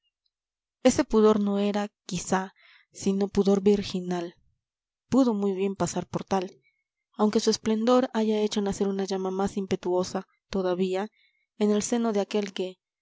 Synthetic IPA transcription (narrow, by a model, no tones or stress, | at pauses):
e̞se̞puðo̞ɾno̞e̞ɾakisa | sino̞puðo̞ɾbiɾxinal | puðo̞mujβje̞mpasaɾpo̞ɾt̪al | awŋke̞sue̞sple̞nd̪o̞ɾaʝae̞t͡ʃo̞nase̞ɾunaʝamamasimpe̞t̪uo̞sa | t̪o̞ðaβia | ene̞lse̞no̞ðe̞ake̞lke̞